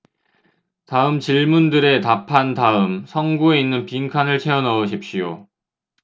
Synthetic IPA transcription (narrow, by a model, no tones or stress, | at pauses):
taɯmt͡ɕiɭmundɯɾe̞tapʰantaɯmsʰʌŋɡue̞inːɯnpiŋkʰanɯɭt͡ɕʰe̞ʌnʌɯɕʰip̚ɕ͈ijo̰